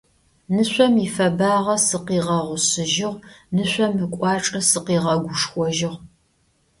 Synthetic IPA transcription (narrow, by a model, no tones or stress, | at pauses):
nɨɕʷɔmifɐbaːʁɐsɨqiːʁɐʁʷʊɕɨʒɪʁnɨɕʷɔmɨkʷʼɑːʈ͡ʂʼɐsɨqiːʁɐɡʷʊʂxʷɔʒɪʁ